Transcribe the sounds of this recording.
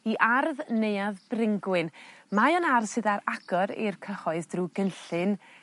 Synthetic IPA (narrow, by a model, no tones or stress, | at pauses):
iʔarðnejaðbrɪŋɡwɨnmajɔnarsɨðaɾaɡ̥ɔɾḭrkʰəχɔɨðdruɡənɬɨn